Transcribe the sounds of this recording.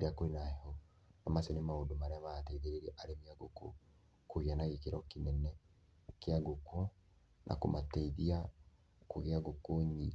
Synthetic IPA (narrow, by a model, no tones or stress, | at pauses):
ɾeakoenahhɔ | namasenemaodomaɾeamatɛiðeɾeɾeʔaɾemiaɡoko̰ | koɣianaɣekeɾɔkinɛnɛ | keaɡoko | nʔa̰komatɛiðia | koɣeaɡokoɲi